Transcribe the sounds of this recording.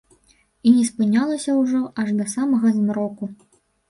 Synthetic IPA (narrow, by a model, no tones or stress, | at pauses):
inʲɛspɨnʲalˠɐsʲɐwʐɔʔɐʐd̪ɐsamɐɣɐzmɾɔku